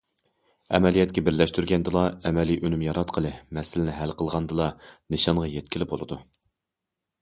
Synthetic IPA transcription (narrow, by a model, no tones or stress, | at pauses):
ɛ̰mɛlijɛt̪kʲɛbɪɾlɛʃt̪yɾɡʲɛnd̪ɨlˠɑɛmɛliʔønymjɑɾɑt̪qʰəlˠɨmɛsɪlɪnɪɦælqʰəlˠʁɑnd̪ɨlˠɑnɨʃɑnʁɑjɛt̪̚kʲilɪbolˠɨd̪u